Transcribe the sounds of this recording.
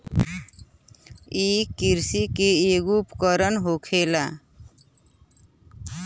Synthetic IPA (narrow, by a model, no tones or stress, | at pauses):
ikiɾsikeeɡupkəɾənɦokʰela